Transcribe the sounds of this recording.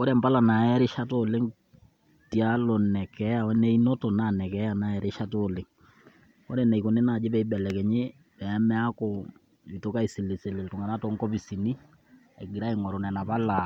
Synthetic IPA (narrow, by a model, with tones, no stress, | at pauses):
ko˦ɾɛ˨mpa˦la˨na˨ɛ˦ɾe˦ʃa˦tole˦ŋ | ti˨a˦lɔ˨nɛ˨kɛ˨˦ja˨wɛ˦nɛ˦i˦no˦to˨na˨nɛ˨kɛ˦ja˨na˦ɛ˦ɾe˦ʃa˦to˨le˨ŋ | ko˦ɾɛ˨nɛ˨i˨ko˨ne˦na˨d͡ʒe˦βɛ˦i˦bɛ˨lɛ˨kɛ˨ɲe˦ | pɛ˨ɛ˦mɛ˦a˦ko˨ | i˨to˦ka˦i˨se˨le˨se˨le˨lto˨ŋa˨na˦to˦ŋkɔ˦pi˨si˨ni˦ | ɛ̰˨ɡi˨ɾa˦e˨ŋɔ˨ɾo˨nɛ˨na˨pa˦la˨